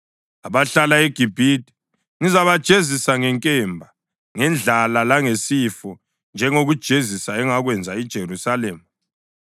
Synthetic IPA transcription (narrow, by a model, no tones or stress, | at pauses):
aβaɬalaeɡ̥ʱib̥ʱitʼi̥ | ŋizaβad̥ʒ̥ʱezisaŋɛŋkʼɛmbʱa | ŋɛnd͡ɮʱalalaŋesifɔ | nd͡ʒʱɛŋoɣud̥ʒ̥ʱezisaɛŋaɣwɛnd͡zʱaid̥ʒ̥ʱerusalɛːma